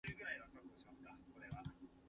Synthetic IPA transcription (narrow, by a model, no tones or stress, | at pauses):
ɯ̟ɡɯ̟ɾaiβakakkoɕimasɨ̥kako̞ɾe̞βa